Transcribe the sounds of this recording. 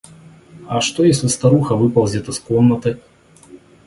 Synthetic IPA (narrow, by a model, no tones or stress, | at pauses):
ɐʂt̪ɔjesʲlʲist̪aɾuxɐvɨpɐlˠzʲɛt̪ɨskɔmnɐt̪ɨ